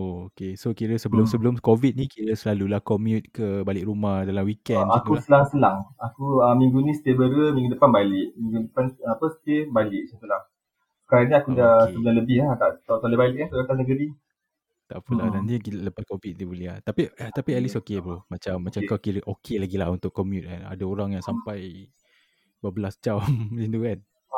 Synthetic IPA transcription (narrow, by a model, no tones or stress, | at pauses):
ookesokiɾəsəbəlʊmsəbəlʊmkovit̪̚nĩkiɾəsəlalulahkɔmjut̪̚kəbalɪkɾumahdalamwikɛnakusəlaŋsəlaŋakuəmĩŋɡunĩsə̥t̪ebəɾəmiŋɡudəpanbalɪʔmiŋɡudəpanapəsə̥t̪ebalɪʔ̚sənt̪əlaŋ | ə̥kaɾaniakudasəbulaləbɪhat̪aʔt̪at̪alebalɪʔkant̪aat̪asnəɡəɾi | t̪a̰ʔpəlanant̪ikiləpakovit̪̚nibəliat̪apit̪apiɛlisokebɾomat͡ʃamːat͡ʃakakiləʔokʰelaɡilahunt̪ʊkːɔmjut̪̚ana̰daoɾaŋjaŋsampaj | babəlasd͡ʒamlind̪ukan